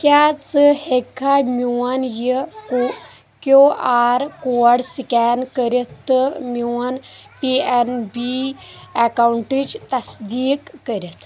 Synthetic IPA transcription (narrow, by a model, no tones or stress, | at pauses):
kʲaːt͡sɨhekʰːamʲuwɐnjiko | kʲoːaːɾkoːɐɽsikɛːnkəɾʲit̪ːɨmuwɐnpienbiekauɳʈid͡ʒt̪ɐsd̪iːkːəɾit̪ʰ